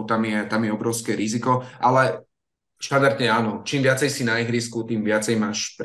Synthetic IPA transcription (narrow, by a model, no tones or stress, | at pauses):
t̪amjɛt̪amjɛɔbɾɔʊskɛɾizikɔʔalɛ | ʃad̪aɾt̪ɲɛaːnɔt͡ʃiːmʋɪat͡sɛjsinaiɣɾiskut̪iːmʋɪat͡sɛjmaːʃpɾ